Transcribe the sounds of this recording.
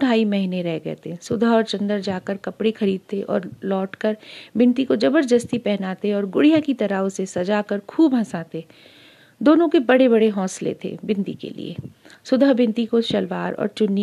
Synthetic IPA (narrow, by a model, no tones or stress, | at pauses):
ʊʈaːimɛɦneɾɛɦɡɐɛ̰ːt̪esʊd̪ʱəɦɔːɾt͡ʃɐ̃nd̪əɾd͡ʒaːkəɾkɐpɽexʰɐɾiːd̪̚t̪ʰeʔɔ̰ːɾlɔːʈkəɾbɪ̃nt̪ikod͡ʒɐbəɾd̪əst̪ipɛɦnaːt̪eɔːɾɡʊɽijakit̪ɐɾaʊsesɐd͡ʒakəɾkʰuːbɦɐ̃saːt̪e | d̪oːnõkebɐɽebɐɽeɦɔ̃ːslḛt̪ʰḛbɪ̃nt̪ḭkḛlḭḛː | sʊd̪ʱəɦbɪ̃nt̪ikoʃɐlʋaːɾɔ̰ːɾt͡ʃʊnːi